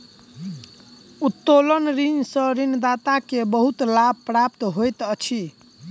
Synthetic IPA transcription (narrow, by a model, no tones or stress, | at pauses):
ut̪ːolənɾinsə̃ɾind̪at̪akebəɦut̪lab̚ʱpɾap̚t̪ɦojt̪ət͡ʃʰi